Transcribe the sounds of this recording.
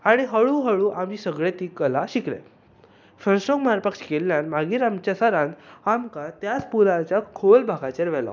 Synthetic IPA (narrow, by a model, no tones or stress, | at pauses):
aɽ̃iɦəɭũːɦəɭũʔamiːsəɡɭet̪iːkəlaɕiklḛ | fənsʈoɡmaɾpəkʂkelːjanmaɡiːɾamt͡ɕasəɾãnt̪amkat̪jat͡spulat͡ɕjakʰolbʱaɡãt͡ɕeɾʋɛla̰